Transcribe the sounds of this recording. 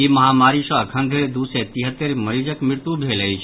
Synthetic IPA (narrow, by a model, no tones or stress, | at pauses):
imɐɦaːmaːɾisɔ̃əkʰə̃nd̪ʱeɾd̪uset̪iɦət̪ːeɾmɐɾiːd͡ʒəkmɪɾt̪ubʱeːləit͡ʃʰ